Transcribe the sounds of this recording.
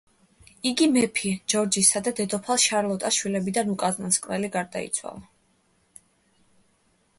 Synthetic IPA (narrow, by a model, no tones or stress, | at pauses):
iɡimɛpʰid͡ʒɔɾd͡ʒisad̪ad̪ɛd̪ɔpʰalˠʃaɾlˠɔt̪ʼaʃwilɛbid̪anukʼaznanskʼnɛliɡaɾd̪a̰ḭt̪sʰwa̰lˠa